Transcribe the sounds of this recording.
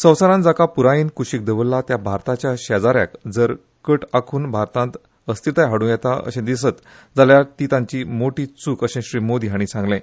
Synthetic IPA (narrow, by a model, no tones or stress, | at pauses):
sə̃wsəɾãnd͡zakapuɾajiːnkuɕik̚d̪əʋəlːat̪jabʱaɾt̪at͡ɕjaɕad͡zaɾja̰kd͡zəɾ | kəʈakʰuːnbʱaɾt̪ãnt̪ | əst̪it̪ajɦaɽũjɛt̪aə̰ɕẽd̪isət̪ | d͡zaljaɾt̪it̪ãɲt͡ɕiːmoʈiːt͡suːkəɕẽɕɾiːmod̪iɦaɽ̃isãŋɡlẽ